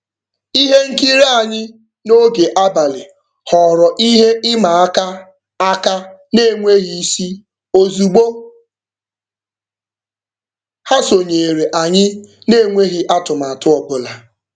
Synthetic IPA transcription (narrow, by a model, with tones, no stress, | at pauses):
i˦ɦe˦ŋ̩˦ki˦ɾe˦a˨ɲɪ˦ | no˦ɡe˨ʔa˦ba˨li˨ | hɔ˨ɾɔ˨ʔi˦ɦe˦ʔɪ˦ma˨˦ka˦ | a˦ka˦ne˦˨ŋʷe˦ɣi˦si˦ | o˦zu˨ɡ͡bo˦ | ha˦so˨ɲe˨ɾe˨ʔa˨ɲɪ˦ne˦˨ŋʷe˦ɦi˦ʔa˦tʊ˨ma˨tʊ˦ɔ˨bʊ˨la˨